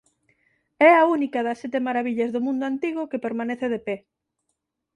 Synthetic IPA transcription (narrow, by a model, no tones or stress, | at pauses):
ɛaunikaðɐsɛt̪emaɾaβiʎazðomũnd̪ʊant̪iɣokepeɾmaneθeðepe